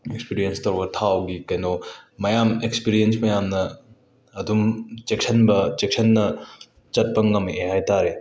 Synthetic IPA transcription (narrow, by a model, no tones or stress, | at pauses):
ekspiɾijenstɐwɾɡɐtʰawɡikɐjnomɐjamekspiɾiensmɐjamnɐː | dumt͡ʃek̚sʰɐnbɐt͡ʃek̚sʰɐnːɐ | t͡ʃɐt̚pɐŋːɐmiʔehajtaɾe